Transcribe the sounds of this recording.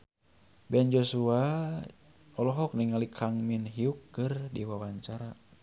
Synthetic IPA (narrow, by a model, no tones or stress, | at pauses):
bɛnd͡ʒosua | ɔlɔɦɔk̚niŋalikʰaŋminɦiukːɨrdiwawaɲt͡ʃaɾa